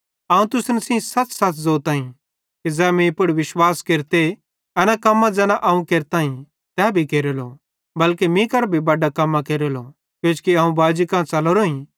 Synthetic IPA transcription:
ɐũt̪ʊsnsĩsɐt͡ssɐt͡szoːt̪ãːĩ | kid͡zɛːmĩpʊɽʋɪʃwaːskeːɾt̪e | ɛːnakɐmːãd͡zɛːnaʔɐũkeːɾt̪aːĩ | t̪ɛːbʱikeːɾelo | bɐlkemĩːkɐɾbʱibɐɖakɐmːakeːɾolo̰ | kjõːt͡ʃkiɐːũbaːd͡ʒikãːt͡sɐloɾoĩ

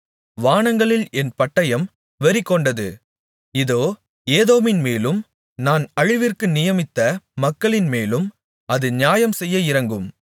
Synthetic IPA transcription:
ʋaːɳɐŋɡɐɭɪlɛnpɐʈːɐjɐm | ʋɐɾɪkːɔɳɖɐðɯ | ɪðoː | eːðoːmɪnmeːlɯm | naːnɐɻɪʋɪrkɯnɪjɐmɪt̪ːɐmɐkːɐɭɪnmeːlɯm | ɐðɯɲjaːjɐmsɛjːɐɪɾɐŋɡɯm

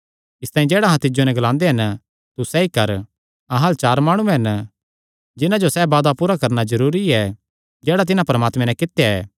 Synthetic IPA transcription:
ɪst̪aːĩd͡ʒɛːɽaɦãt̪ɪd͡ʒonɛ̃ɡɐlãːnd̪eɦɐn | t̪usɛikɐɾ | ɐɦɐlt͡ʃaːɾmaːɽ̃uɛ̃ɦɐn | d͡ʒɪnãd͡ʒosɛbaːd̪apuːɾakɐɾnazɐɾuːɾiɛ | d͡ʒɛːɽat̪̬ɪnãpɐɾmaːt̪mɛ̃nɛ̃kɪt̪jaɛː

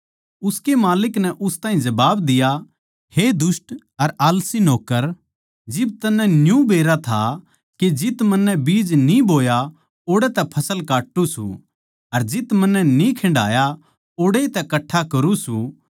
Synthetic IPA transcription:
ʊskemaːlɪknɛʔʊst̪aːĩd͡ʒɐbaːbd̪ɪja | hed̪ʊsʈ | ɐɾaːlsinoːkːəɾ | d͡ʒɪb̚t̪ɐnːɛnjũbeːɾat̪ʰa̰ | ked͡ʒɪt̪mɐnːɛbiːd͡ʒnibʱoːja | oːɽɛt̪ɛpʰɐsəlkaːʈːusṵ | ɐɾd͡ʒɪt̪mɐnːɛnĩkʰɐ̃ɳɖa̰ːja | oːɽet̪ɛkɐʈʰːakɐɾusu

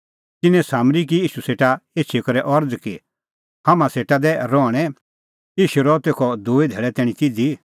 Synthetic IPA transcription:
t̪ɪnɛ̃saːmɾik̬ijiːʃuseːʈaeːt͡ʃʰikɐɾɛʔɔɾd͡zki | hamãseːʈad̪ɛɾɔːɽ̃ɛ | iːʃuɾɔt̪eːkʰɔd̪uːid̪ʱɛːɭɛt̪ɛːɽ̃ĩt̪ɪd̪i

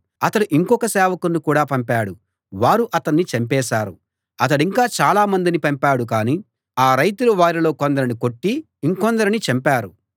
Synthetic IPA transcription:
ɐt̪ɐɽuʔiŋkɔkɐsɛːʋɐkunːikuːɽaːpɐmpaːɽu | ʋaːɾuʔɐt̪ɐnːit͡ʃɐmpɛːʃaːɾṵ | ɐt̪ɐɽiŋkaːt͡ʃaːlaːmɐnd̪inipɐmpaːɽukaːni | aːɾɐjt̪uluʋaːɾilo̞ːkond̪ɐɾiniko̞ʈːiː | ŋkond̪ɐɾinit͡ʃɐmpaːɾu

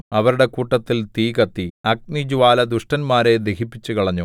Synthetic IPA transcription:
ɐʋɐɾuɽe̞kuːʈːɐt̪ːilt̪iːkɐt̪ːiɐk̚nid͡ʑuʋaːlɐd̪uʂʈɐnmaːɾe̞d̪ekipːit͡ɕːukɐɭɐɲːu

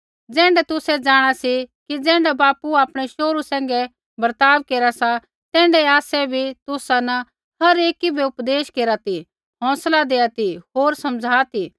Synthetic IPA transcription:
d͡zɛ̃ːɳɖɛt̪ʊsɛd͡zaːɽ̃asikid͡zɛ̃ːɳɖɛbaːpuaːpɽ̃ɛʃoːɾusɛ̃ːŋɡɛ | bɐɾt̪aːʋkeːɾasa | t̪ɛ̃ːɳɖɛaːsɛbʱit̪ʊsanɐ | hɐɾeːkibʱiʊpd̪eːʃkeːɾat̪i | ɦɔ̃ːslad̪eːat̪iɦoːɾsɐmd͡zʱaːt̪ʰi

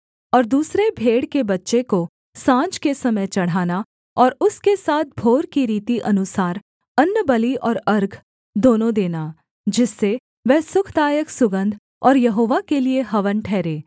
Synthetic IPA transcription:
ɔːɾd̪uːsɾebʱeːɽkebɐtːʃeko | sãːd͡ʒkesɐməjt͡ʃɐɽ̤aːna | ɔːɾʊskesaːt̪̚ʰbʱoːɾkiɾiːt̪iʔɐnʊsaːɾ | ɐnːbɐliɔːɾɐɾɡʱ | d̪oːnõd̪eːna | d͡ʒɪsːe | ʋɛɦsʊkʰd̪aːjəksʊɡə̃nd̪ʱ | ɔːɾjɐɦoːʋakelieɦɐʋənʈʰɛːɾẽː

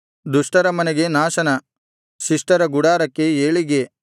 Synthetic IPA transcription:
d̪uʂʈɐɾɐmɐnɛɡe̞naːʃɐnɐ | ʃiʂʈɐɾɐɡuɽaːɾɐkːe̞eːɭiɡe̞

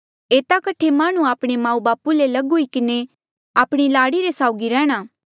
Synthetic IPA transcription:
eːt̪akɐʈʰemaːɽ̃ũaːpɽ̃emãːũbaːpulelɐɡɦʊikɪne | aːpɽ̃ilaːɽiɾesaːʊɡiɾɛːɽ̃aː

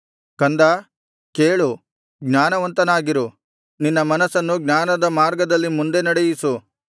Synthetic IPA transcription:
kɐnd̪ɐ | keːɭu | ɡnaːnɐʋɐnt̪ɐnaːɡiɾu | ninːɐmɐnɐsɐnːuɡnaːnɐd̪ɐmaːɾɡɐd̪ɐlːimund̪e̞nɐɽejisu

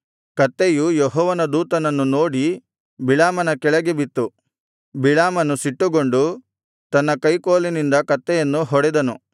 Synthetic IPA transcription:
kɐt̪ːejujɔɦɔːʋɐnɐd̪uːt̪ɐnɐnːunoːɽi | biɭaːmɐnɐkɛɭɐɡebit̪ːu | biɭaːmɐnusiʈːuɡo̞ɳɖu | t̪ɐnːɐkɐjkoːlinind̪ɐkɐt̪ːɛjɐnːuɦɔɽɛd̪ɐnu

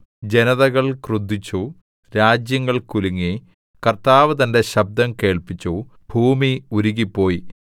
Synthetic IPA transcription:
d͡ʑe̞nɐðɐɣɐɭkrud̪ːit͡ɕːu | ɾaːd͡ʑjɐŋːɐɭkuluŋːi | kɐrt̪aːʋɐt̪ɐnde̞ɕɐb̚d̪ɐmke̞ːɭpit͡ɕːu | bʱuːmiuɾuɣipːo̞ːji

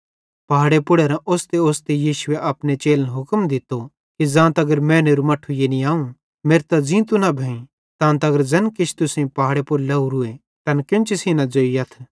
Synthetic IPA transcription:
pɐɦaːɽepʊɽeɾãʔoːst̪eoːst̪ejiːʃʊeʔɐpnet͡ʃeːlənɦʊkmd̪ɪt̪o | kid͡zãːt̪ɐɡəɾmɛ̃ːneːɾumɐʈʰːujenĩaːũ | meːɾt̪ad͡zĩt̪unabʱɛ̃ːĩ | t̪ãːnt̪ɐɡəɾd͡zɐnkɪt͡ʃʰt̪ʊsẽpɐɦaːɽepʊɾlɐuɾʊe | t̪ɐnkɪ̃nt͡ʃesiːnãd͡zoːiɐt̪ʰ

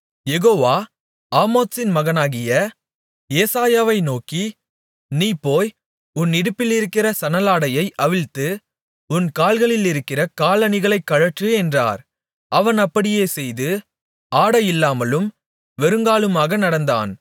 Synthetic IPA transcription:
jɛɣoːʋaː | aːmoːt̪sɪnmɐɣɐnaːɣɪjɐ | jeːsaːjaːʋɐɪnoːki | niːpːoːj | ʊnːɪɽɯpːɪlɪɾɯkːɪɾɐsɐnɐlaːɽɐjɐɪʔɐʋɪɻt̪ːɯ | ʊnkaːlɣɐɭɪlɪɾɯkːɪrɐkaːlɐnɪɣɐɭɐɪkːɐɻɐʈrɯɛndra̰ːɾ | ʔɐʋɐnɐpːɐɽɪjeːsɛjðɯ | aːɽɐjɪlːaːmɐlɯm | ʋɛɾɯŋɡaːlɯmaːɣɐnɐɽɐnd̪a̰ːn

